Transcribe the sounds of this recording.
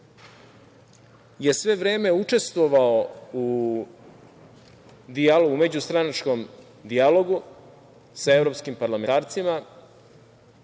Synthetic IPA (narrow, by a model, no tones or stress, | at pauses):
je̞sʋe̞ʋɾe̞ːme̞ut͡ʂe̞st̪ʋoʋaou | d̪ialoume̞d͡ʑust̪ɾanat͡ʃko̞m | d̪ialo̞ɡu | saevɾopskimpaɾlameaːɾt̪sima